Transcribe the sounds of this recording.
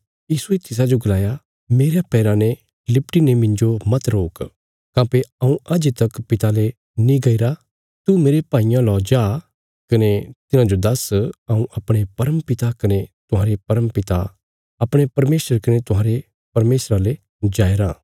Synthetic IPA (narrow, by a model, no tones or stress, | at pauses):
jiːsuet̪ɪs̬ad͡ʒoɡɐlaːja | meːɾjapɛːɾãne | lɪpʈinemɪ̃ɲd͡ʒomɐt̪ɾoːk | kãːpeɐũʔaːd͡ʒet̪ɐkpɪt̪ale | nĩɡɐiɾa | t̪umeːɾepaːijãlɔːd͡ʒaː | kɐnet̪ɪnãd͡ʒod̪ɐsɐũʔɐpɽ̃epɐɾəmpɪt̪akɐnet̪ʊɦaːɾepɐɾəmpɪt̪a | ɐpɽ̃epɐɾmeːsəɾkɐnet̪ʊɦaːɾe | pɐɾmeːsɾale | d͡ʒaːeɾaː